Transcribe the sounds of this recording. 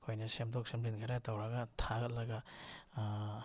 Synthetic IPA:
kʰojnɐsemdɔk̚semɾinkʰaɾatawɾaɡatʰaɡɐt̚lɐɡa

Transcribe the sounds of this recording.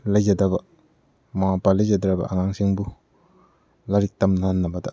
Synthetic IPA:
lajzadabɐ | mawapalajzadɾabɐ̰ʔaŋaŋsiŋbu | laɾik̚tamnanːabada

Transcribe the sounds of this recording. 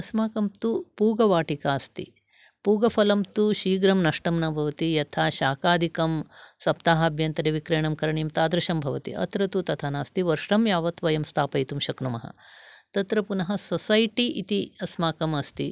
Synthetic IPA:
ɐsmaːkɐmt̪upuːɡɐʋaːʈikaːst̪ḭ | puːɡɐpʰɐlɐmt̪uʃiːɡɾɐmnɐʂʈɐmnɐbʱɐʋɐt̪ijɐt̪ʰaːʃaːkaːd̪ʱikɐmsɐp̚t̪aːɦɐɐbʱjɐnt̪ɐɾeʋikɾeːɳɐmkɐɾɐɳimt̪aːd̪ɾɐʃɐmbʱɐʋɐt̪ḭʔɐ̰t̪ɾɐt̪ut̪ɐt̪ʰaːnaːst̪iʋɐɾʂɾɐmjaːʋɐt̪ʋɐjɐmst̪ʰaːpɐjt̪umʃɐkɾumɐɦɐ̰t̪ɐt̪ɾɐpunɐɦɐsosɐjʈiʔit̪iɐsmaːkɐmɐst̪i

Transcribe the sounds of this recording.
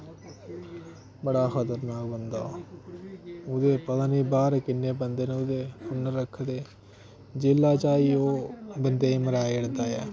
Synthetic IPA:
bəɽaːxʰət̪əɾnaːɡbənd̪a | ʊd̪eːpəd̪aniːbaːɾkɪnːeːbənd̪eːneʊd̪eːʊnːəɾːəkʰːd̪eː | d͡ʒɪlːaːt͡ʃaːiːoːbənd̪eːiməɾaːeɽd̪aːjaː

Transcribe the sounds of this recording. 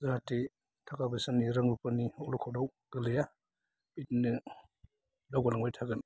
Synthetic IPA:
zaate | tʰakabasanːiɾaŋbupaniɔlɔkʰɔdaw | ɡ̥ɯlɯja | itnɯ | dawɡalaŋbajtʰaɡɯn

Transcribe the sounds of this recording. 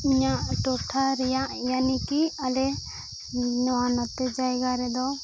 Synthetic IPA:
iɲaʔʈɔʈʰaɾɛjaʔjanikialɛ | ɲɔanɔt̪ːɛd͡ʒajɡaɾɛd̪ɔ

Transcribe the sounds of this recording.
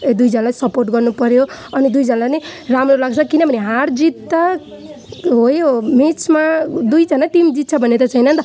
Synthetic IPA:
ed̪ujd͡zʌnalajsʌporʈɡʌrnupʌɾjoʌnid̪ujd͡zʌnalajnʌjramrolaɡt͡sʰʌkinʌbʱʌneɦaɾd͡zit̪ːʌ | ɦojomit͡sʰmad̪ujd͡zʌnaʈimd͡zit̪̚t͡sʰʌbʱʌnet̪ʌt͡sʰʌjnʌnt̪ʌ

